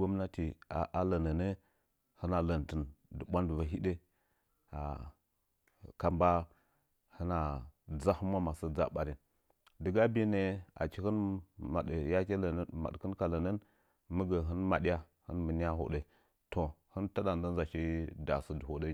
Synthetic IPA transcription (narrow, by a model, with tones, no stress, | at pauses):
o˦m˦na˦ti˨a˨ʔa˦lə˨nə˨nə˦ | hə˦na˨lə˨ntə˨ndə˨ɓʷa˦ndva˨ɦi˦ɗe˦ | a̰˨ | ka˨mba˦ | hə˦na˨d͡za˦hu˦ma˦ma˨sə˦d͡za̰˦ɓa˨ɾi˦n | də˨ɡa˦bi˦ne˨a̰˨t͡ʃi˨hə˦nma˨ɗə˨ja˦ke˦lə˨n˦ma̰˨ɗkə˦nka˨lə˨nə˦n | mə˦ɡə˨ɦə˦nma˨ɗi˦ja˦ | hɨ˦nmə˨n˦ja˦ɦo̰˨ɗe˦ | to˨hə˦nta˦da˨n˨də˦nza˨ʃi˦da̰˨sə˦də˨ho˨də˦